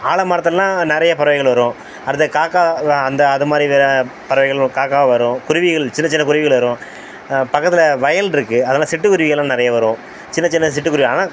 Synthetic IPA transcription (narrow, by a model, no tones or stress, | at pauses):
aːɭɐmaːɾɐt̪̬ːɯllːãːnɪɾɐjɐpɐɾɐʋɐɪɣɐɭʋɐɾõː | ɐɾɐðɯkaːkːaːɐnd̪ɐːðɯmaːd̪ɾiʋeːɾɐpɐɾɐʋɐɪɣɐɭkaːkaːʋɐʋɐɾõːkʊɾɪʋɪɣɐɭt͡ʃɪnːɐt͡ʃɪnːɐkʊɾɪʋɪɣɐɭʋɐɾõː | pɐkːɐt̪ːɪlɐʋɐjɐlɪɾɯkːɯɐðɐnːlːsɪʈːɯkːʊɾɪʋɪɣɐlːãːnɪɾɐjɐʋɐɾõː | t͡ʃɪnːɐt͡ʃɪnːɐs̬ɪʈːɯkːʊɾɪʋɣaːnaː